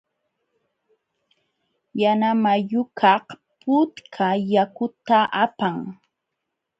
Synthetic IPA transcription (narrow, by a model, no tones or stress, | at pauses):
janamajʊkʰɑh | pʊt̪kʰajakʊt̪aʔapaŋ